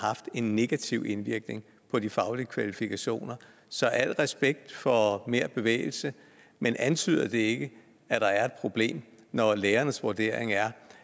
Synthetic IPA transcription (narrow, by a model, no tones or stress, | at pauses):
hɑ̈fd̥e̝nːe̝ɡ̥æt͡sʰiʊ̰e̝nʋiɐɡ̥ne̝ŋ | pʰɒ̽d̥ifɑ̈ʊliəkʰʋælifikʰæɕo̝̰ːnɐ | sɒ̽ʔæl̰ʁɛsb̥eɡ̥̚d̥fɒ̽me̝ɐ̰b̥e̝ʋḛːɪl̩sə | menʔænt͡sʰy̰ːðˠɐd̥e̝e̝ɡ̥ə | æd̥ɑ̈æɐe̝d̥̚pʰʁo̝b̥le̝̰ːmnɒleːɐnəsʋoɐd̥e̝̰ɐ̰eŋæɐ